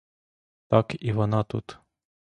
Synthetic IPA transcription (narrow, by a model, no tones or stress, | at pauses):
t̪ɑkiʋɔnɑt̪ṵt̪